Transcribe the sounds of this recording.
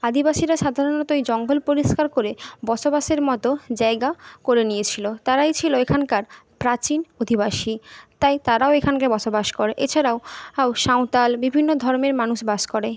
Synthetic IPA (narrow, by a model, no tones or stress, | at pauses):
ad̪ibaʃiɾaʃad̪ʱaɾonɔt̪ojd͡ʑɔŋɡolpoɾiʃkaɾkoɾebɔʃobaʃeɾmɔt̪od͡ʑaeɡakoɾenijet͡ɕʰilot̪aɾaejt͡ɕʰiloekʰankaɾpɾat͡ɕinod̪ʱibaʃit̪ajt̪aɾaoekʰankabɔʃobaʃkoɾeʔet͡ɕʰaɾaoaʃaw̃t̪albibʱinːod̪ʱɔɾmeɾmanuʃbaʃkoɾe